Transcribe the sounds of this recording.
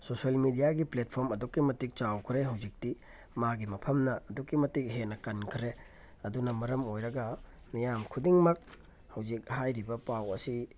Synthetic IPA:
sosiɐlmidijaɡiplet̚pʰoɾmɐdukːimɐtik̚t͡ʃawkʰɾeɦɐwzik̚ti | maɡimɐpʰɐmnɐːdukːimɐtik̚ɦenɐkɐnkʰɾe | ɐdunɐmɐɾɐmojɾɐɡɐ | mijamkʰudiŋmɐk̚ | hɐwzik̚hajɾibɐpawɐsi

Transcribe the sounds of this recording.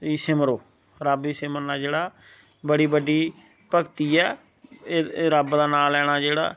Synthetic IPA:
iːsɪməɾoː | ɾəbiːsɪməɾnaːd͡ʒeːɽaː | bəɽiːbəɖiː | pəkt̪iːɛː | ɾəbd̪aːnaːlɛːɽ̃aːd͡ʒeːɽa̰ː

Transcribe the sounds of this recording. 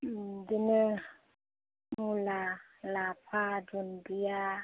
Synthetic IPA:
dinə | mulalapʰadundia

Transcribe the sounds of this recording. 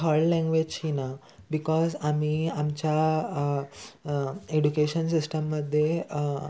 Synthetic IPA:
kɔɭlɛ̃ŋɡʋed͡ʑt͡ɕʰina | bikɔzamiːamt͡ɕja | eɖukeɕənsisʈəmːəd̪ʱːje

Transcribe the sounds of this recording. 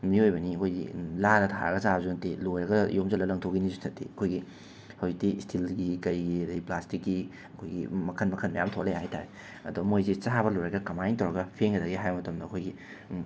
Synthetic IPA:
miojbɐniɐkʰojɡḭladɐtʰa̰ɾɐ̰ɡɐsazunɐtelojɾɐɡɐjomzɐlɐlɐŋtʰoɡinizutʰɐtʰːḭɐkʰojɡi | hɐwzik̚tistʰilɡikɐjɡidiplastikːi | ɐkʰojɡḭmɐkʰɐnmɐkʰɐnmɐja̰mtʰolejhajta̰ɾe | ɐ̰dumojzet͡ʃaβɐlojɾɐɡɐkɐmajnt̬ʰɐwɾɐɡɐpʰeŋɡɐdɐɡiɦajɐmɐtɐmdɐːkʰojɡi

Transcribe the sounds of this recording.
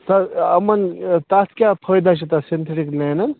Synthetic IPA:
t̪ɐɐmɐnt̪at̪kʲjapʰəjd̪at͡ʃʰit̪ɐsent̪ʰeʈiklenɐn

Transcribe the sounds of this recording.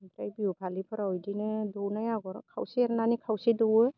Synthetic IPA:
ɾajbiupʰalipʰɯɾaɔjdinɯdɔwnajaɡɔɾkʰawsiaɾnanikʰawsidɔwɯ

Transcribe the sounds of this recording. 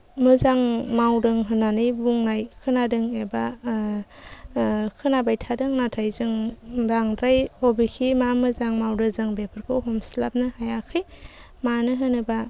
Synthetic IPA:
mɯzaŋmawdɯŋɦɯnanɯjbuŋnajkʰɯnadɯŋeba | kʰɯnabajtʰadɯŋnatʰajzɯŋdaŋdɾajhobikʰimamɯzaŋmawdɯzɯŋbepʰɯɾkʰɯwɦɔmsilap̚nɯhajakʰɯj | manɯɦɯnɯba

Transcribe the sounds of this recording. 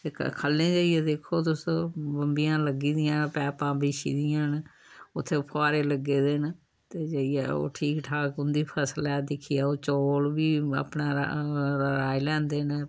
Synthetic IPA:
t̪ḛːkʰəlːẽːd͡ʒəːijɛːd̪eːkʰːoːt̪ʊsbəmbijãːləɡiːd̪ɪjãːpɛːpãːbiːʃḭːd̪ɪjãːn | ʊt̪ʰːeːpʰoaːɾeːləɡːeːd̪en | t̪eːd͡ʒəiɛ̰ːo̰ːʈʰiːkʈʰaːkʊnd̪iːpʰəslɛːd̪ɪkʰːijaːoːt͡ʃoːlʋiːa̰ːpnaːɾɾaːilɛ̃ːnd̪eːn

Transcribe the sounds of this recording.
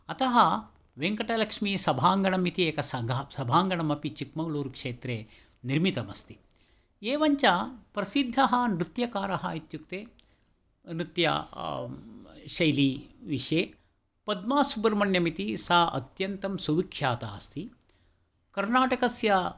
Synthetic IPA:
ɐt̪ɐɦɐ | ʋeŋkɐʈɐlɐkʂmisɐbʱaːŋɡɐɳɐmit̪ieːkɐsɐɡsɐbʱaːŋɡɐɳɐmɐpit͡ʃikmɐwluːɾkʂeːt̪ɾeː | niɾmit̪ɐmɐst̪i̥ | eːʋɐɲt͡ʃɐpɾɐsid̪ʱːɐɦɐnɾit̪jɐkaːɾɐɦɐit̪jukt̪eː | nɾit̪jɐ̰ | ʃɐjliʋiʂeː | pɐd̪maːsubɐɾmɐɳjɐmit̪isaːʔɐt̪jɐnt̪ɐmsuʋikʃaːt̪aːɐst̪i | kɐɾnaːʈɐkɐsjɐ

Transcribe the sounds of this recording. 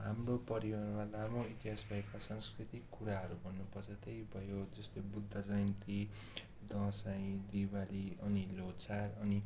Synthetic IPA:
ɦamropʌɾiwarmalamoit̪iɦasbʱʌekasʌ̃ŋskrit̪ikːuɾaɦʌɾubʱʌnːupʌrt͡sʰʌt̪ejbʱʌjod͡zʌst̪ojbud̪ʱːʌsʌjnt̪i | d̪ʌ̃saj̃d̪ibaliʌnilot͡sarʌni

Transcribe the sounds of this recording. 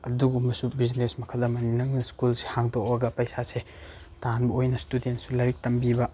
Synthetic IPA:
ɐduɡumɐsubiznesmɐkʰɐldɐmɐninɐŋnɐskulse̥haŋdok̚bɐɡɐpɐjsase | tanbɐojnɐstudentsulɐɾik̚tɐmbibɐ

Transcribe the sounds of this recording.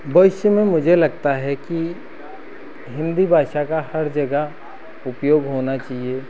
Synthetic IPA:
bɐʋɪʃəmẽmʊd͡ʒʱelɐɡt̪aɦɛki | ɦɪ̃nd̪ibʱaːʃakahɐɾd͡ʒɐɡə | ʊpjoːɡɦoːnat͡ʃaːɦieː

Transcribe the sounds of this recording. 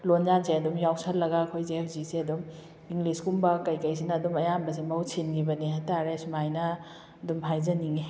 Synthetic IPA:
lonzansʰeɐdumjawsɐllɐɡakʰojzeepʰziseɐdum | iŋɡliskumbɐkɐjkɐjs̬ʰinɐːdumɐjambɐs̬emɐwt͡ʃʰinɡibɐniɦataɾesumajnɐ | ɐdumpʰajzɐniŋe

